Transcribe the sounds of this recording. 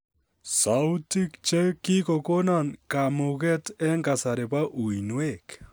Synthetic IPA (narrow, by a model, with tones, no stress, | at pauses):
sa˨u˦ti˦kt͡ʃɛ˦kɪ˦kɔ˨ko˦na˨nka˨mʊ˨kɛ˦tɛ˦ŋɡa˨sa˨ɾe˨pa˦ʔu˨i˨nwe˦˨k